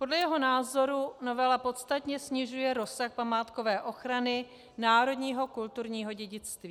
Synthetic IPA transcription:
po̞dlɛjɛɦo̞naːzo̞ɾuno̞vɛlapo̞t̪st̪at̪ɲɛsɲɪʒujɛɾo̞saxpamaːt̪ko̞vɛːʔo̞xɾanɪ | naːɾo̞dɲiːɦo̞kult̪uɾɲiːɦo̞ɟɛɟɪt͡st̪viː

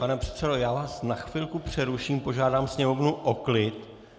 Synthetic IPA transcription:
panɛpr̥ɛ̥t̪sɛdojaːvaːsnaxfilkupr̝̥ɛɾuʃiːmpo̞ʒaːdaːmsɲɛmo̞vnuʔoklɪt̪

